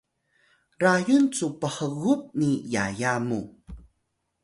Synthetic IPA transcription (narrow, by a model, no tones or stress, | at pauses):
ɾajunt͡supəħəɣup̚nijajamṵ